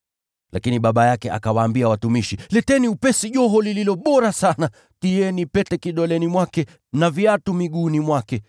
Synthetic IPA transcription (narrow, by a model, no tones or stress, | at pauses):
lakiniɓaɓajakɛʔa̰kawaːmbiawatumiʃilɛtɛniupɛsiʄɔɦɔlililɔɓɔɾasana | tijɛnipɛtɛkiɗɔlɛnimwakɛ | naviatumiɠuːnimwakɛ